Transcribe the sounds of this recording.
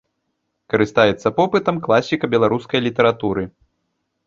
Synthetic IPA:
kɐɾɨst̪ajɛt̪sːɐpɔpɨt̪ɐmklˠasʲikɐbʲɛlˠaɾuskɐjlʲit̪ɛɾat̪uɾɨ

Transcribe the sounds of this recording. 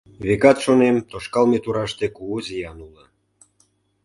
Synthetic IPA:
βekɑt̪ʃonemt̪oʃkɑlmet̪uɾɑʃt̪ekuozijɑnulə

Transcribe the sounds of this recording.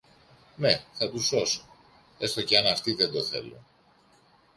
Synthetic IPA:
ne̞θɐt̪uso̞so̥ | e̞st̪o̞ceɐnɐft̪iðe̞nd̪o̞θe̞̰lo̰

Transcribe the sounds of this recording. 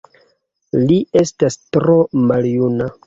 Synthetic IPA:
lie̞stastɾo̞maljuna

